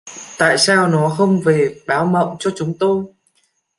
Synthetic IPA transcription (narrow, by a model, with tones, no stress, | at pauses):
t̪a̰ː˧˨jsaː˧wnɔ˨˦xə˧wŋ͡mve˨˩ɓaː˨˦wmə̰˧˨wt͡ɕɔ˧t͡ɕʊ˨˦ŋ͡mt̪o˧j